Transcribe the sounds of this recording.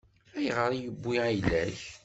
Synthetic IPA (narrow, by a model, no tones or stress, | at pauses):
æjʁəɾˤijəbːiæjlːæç